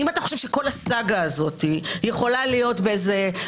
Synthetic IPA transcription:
imat̪aχo̞ʃe̞vʃeko̞lasaɡaːzo̞t̪ijeχo̞lalijo̞tbeeze

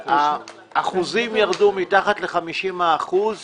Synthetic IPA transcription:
a | ʔːχuzimjaʁdumitaχat̪le̞χamiʃimaːχuz

